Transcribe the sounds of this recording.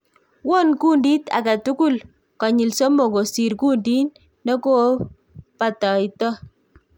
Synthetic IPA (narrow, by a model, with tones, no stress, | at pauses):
wɔ˦nku˦ndi˦ta̰˨ka˨tu˦ku˦l | kɔ˨ɲɪ˨lsɔ˦mɔ˨ɡo˨si˨ɾku˦ndi˦nː | ɔ˦ko˦ | pa˨tɔ˨i˨tɔ˦